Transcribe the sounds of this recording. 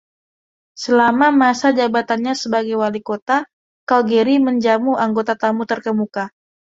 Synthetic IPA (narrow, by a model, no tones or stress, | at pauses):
səlamamasad͡ʒabat̪anɲasəbaɡajwalikot̪a | kalɡeɾiməɲd͡ʒamuaŋɡot̪at̪amut̪ərkəmuka